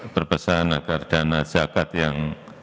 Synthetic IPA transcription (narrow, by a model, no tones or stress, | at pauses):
pərbəsanaɡard̥anḁd͡ʒakat̪jaŋ